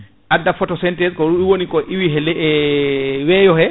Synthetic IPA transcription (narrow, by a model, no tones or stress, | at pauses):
ʔadːafɔtɔsɛntɛskɔuwonikɔʔiwiɦɛlɛ | wɛjɔhɛ